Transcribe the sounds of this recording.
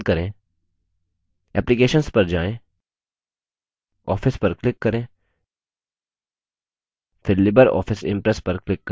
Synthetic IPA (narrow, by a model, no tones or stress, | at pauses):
kɐɾẽː | ɛːplikeːʃənspɐɾd͡ʒaːẽː | ɔːfʰɪspɐɾklɪkːɐɾẽː | pʰɪɾlɪbəɾɔ̰ːfɪsɪ̰̃mpɾɛspɐɾklɪkː